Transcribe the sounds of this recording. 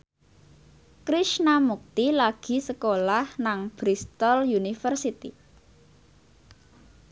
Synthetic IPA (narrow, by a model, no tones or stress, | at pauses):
kɾiʃnamuk̚t̪ilaɡ̥i̤səkolahnaŋb̥ɾist̪ɔljunifərsit̪i